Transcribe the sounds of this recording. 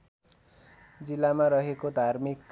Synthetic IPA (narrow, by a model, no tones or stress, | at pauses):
d͡zilːamaɾʌɦekod̪ʱarmikː